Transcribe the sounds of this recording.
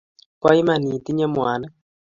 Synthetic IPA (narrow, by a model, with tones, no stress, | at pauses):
kwa˦i˦ma˨ni˨ti˦ɲɛ˦mwa˨na˦